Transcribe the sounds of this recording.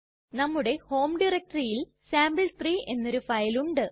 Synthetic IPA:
nɐmːuɽe̞ho̞ːmɖirek̚ʈɐrijil | saːmbɨɭt̪riːʔe̞nːo̞ɾufɐjluɳɖɨ

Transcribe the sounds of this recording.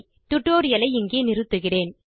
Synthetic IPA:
t̪ʊʈːoːɾɪjɐlɐɪɪŋɡeːnɪɾɯt̪ːɯɣɪreːn

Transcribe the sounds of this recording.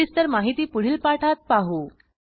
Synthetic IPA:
ist̪əɾmaɦit̪iːpuɽ̤iːlpaʈʰat̪̚paɦo

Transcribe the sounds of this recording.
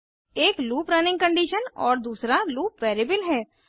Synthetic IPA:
eːkluːpɾaːnɪ̃ŋɡkəɳɖiːʃənɔːɾd̪uːsɾaluːʋɛːɾɪbəlɦɛː

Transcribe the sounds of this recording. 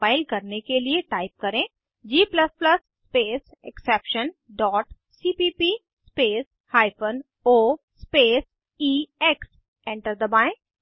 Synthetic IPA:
faːɪlkɐɾnekelieʈaːɪp̚kɐɾẽː | d͡ʒiːplɐspləsːpeːs | ɛksɛːpʃənɖɔːʈ | siːpiːpiː | speːs | haːɪpʰən | oːspeːs | iːɛks | ɛ̃ɳʈəɾd̪əbaːɪ̃

